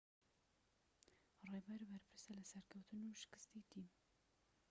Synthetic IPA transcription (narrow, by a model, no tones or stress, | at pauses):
rebɛɾbɛɾpʰɨɾsɛlɨsɛɾkʰɛwt̪ʰɨnuːʃɪ̥kɨ̥st̪iːt̪ʰim